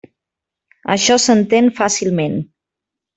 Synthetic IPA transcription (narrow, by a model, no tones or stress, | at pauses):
ə̰ʃɔsənt̪enfasilˠmen